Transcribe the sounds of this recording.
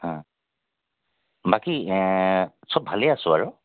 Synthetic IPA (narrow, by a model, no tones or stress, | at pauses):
hã | baki | sɔb̚bʱaleasʊ̃aɹʊ